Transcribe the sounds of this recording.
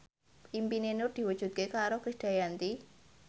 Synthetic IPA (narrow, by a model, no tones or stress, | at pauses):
ʔimpinenʊrd̪̥i̤wə̥ʒ̥ṳt̪̚kekaɾokɾisd̥a̤jant̪i